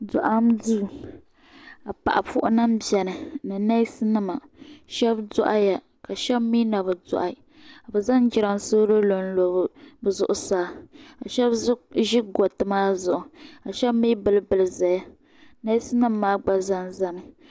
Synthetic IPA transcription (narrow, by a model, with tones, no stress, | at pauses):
dʊ̰˨ʔa˦mduː˦˨ | a˨pa̰˨ʔa˨fʊ˦ʔʊ˦na˦mbɛ˨nɨ˨nɨ˨na˦i˦sɨ˦nɨ˦ma˨ʃɛ˦bdʊ˦ʔa˦ja˨ | ka˨ʃɛ˦bmi˦na˨βɨ˨dɔ̰˨ʔa˨ | a˨bɨ˨za˦nd͡ʒi˨˦ɾa˨m˨so˦ɾo˦lo˨n˦lo˨bbɨ˨zʊ˨ʔʊ˨saː˦ka˨ʃɛ˦bʒi˦ɡo˨tɨ˨maː˦zʊ˨ʔʊ˨ka˨ʃɛ˦bmiː˦bɨ˦lɨ˦bɨ˨lɨ˨za˨ja˦ | na˦i˦sɨ˦nɨ˦mːaː˦ɡ͡ba˦za˦nza˦nɨ˨